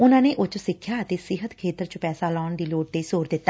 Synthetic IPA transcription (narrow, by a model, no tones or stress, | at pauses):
ʊnãːneːʔʊt͡ʃsɪkʰːjaːət̪eːsɪɦət̪kʰeːt̪əɾt͡ʃəpɛːsaːlɔːɳd̪iːloːʈ̚t̪eːsoːɾd̪ɪt̪ːaː